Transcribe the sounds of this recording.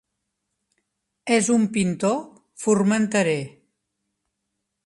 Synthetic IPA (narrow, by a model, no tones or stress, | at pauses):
ezumpint̪o | furmənt̪əɾe